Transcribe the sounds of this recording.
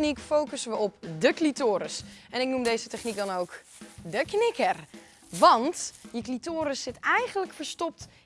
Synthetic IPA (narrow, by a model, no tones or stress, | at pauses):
nikfowkəsəʋəɔp̚dəklitoːɾəsʔɛnɪk̚numdejzətɛχnik̚dɔnowk | dəknɪkər | ʋɑntjəklitoːɾəsːɪtɛjɣənləkfəɹstɔp̚t